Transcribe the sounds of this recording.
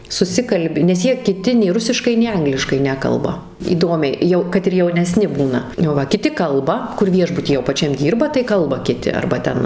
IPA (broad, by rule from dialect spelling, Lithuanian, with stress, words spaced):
sʊˈsʲɪkɐlʲbʲɪ nʲɛs ˈjiɛ kʲɪˈtʲɪ nʲɛɪ ˈrʊsʲɪʃkɐɪ nʲɛɪ ˈɐŋɡlʲɪʃkɐɪ ˈnʲæːkɐlˠbɐ iːˈdoːmʲɛɪ ˈjɛʊ kɐt ɪr jɛʊnʲɛˈsʲnʲɪ ˈbuːnɐ oː ˈʋɐ kʲɪˈtʲɪ ˈkɐlˠbɐ kʊr ˈʋʲiɛʒbʊtʲiː jɛʊ pɐˈt͡ʃʲɛm ˈdʲiːrbɐ tɐɪ ˈkɐlˠbɐ kʲɪˈtʲɪ ɐrbɐ ˈtʲɛn